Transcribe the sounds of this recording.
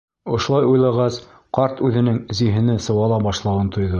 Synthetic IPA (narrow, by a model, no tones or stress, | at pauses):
ŏʃŏlˠɑjujlˠɑʁɑs | qɑɾt̪ʉðɘ̆nɘŋziɦɘ̆nɘsɤ̆wɑlˠɑbɑʃlˠɑwɤnt̪ʰŏjðɤ